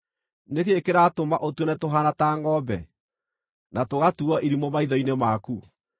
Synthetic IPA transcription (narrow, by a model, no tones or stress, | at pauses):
nekeːkeɾatomaʔotwɔnɛtoɦanataːŋɔːbɛ | natoɣatuɔʔiɾimɔmaiðɔinemaku